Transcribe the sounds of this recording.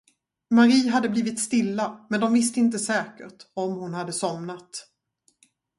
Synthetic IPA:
maɾiːɦad̪ːəbliːvɪt̪st̪ɪlːamɛnd̪ɔmvɪst̪əɪnt̪əsɛːkə̰ʈɔmhʊnhad̪ːəsɔmnat̪

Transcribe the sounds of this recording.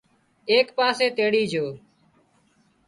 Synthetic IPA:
eːkpaːseːt̪eːɽiːd͡ʒʱoː

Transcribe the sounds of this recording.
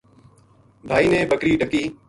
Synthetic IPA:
bʱaːiːnẽːɓəkɾiːɗəkiː

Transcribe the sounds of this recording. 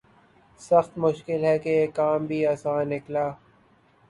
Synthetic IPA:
sɐxt̪mʊʃkɪlɦɛkeeːkːaːmbʱiaːsãːnːɪklaː

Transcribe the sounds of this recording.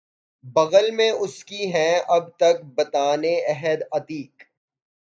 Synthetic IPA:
bɐɣəlmẽʊskiɦɛ̃ɐb̚t̪ɐk̚bɐt̪aːneɛɦəd̪ɐt̪iːk

